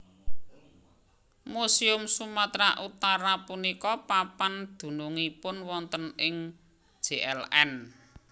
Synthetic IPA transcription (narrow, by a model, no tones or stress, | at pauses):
musiʊmsumat̪ɾaʔut̪aɾapunikɔpapand̪̥ṳnuŋipʊnwɔnt̪ənɪŋ̥ | ʒ̥eʔɛlɛn